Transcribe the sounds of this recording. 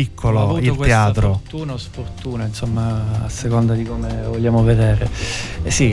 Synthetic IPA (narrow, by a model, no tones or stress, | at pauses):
ikʰːoloilk̪eaːt̪ɾot̪uːnosport̪uːnainsomːa̰ːsːekond̪ad̪ikomevoʎːjaːmoved̪ɛːɾesi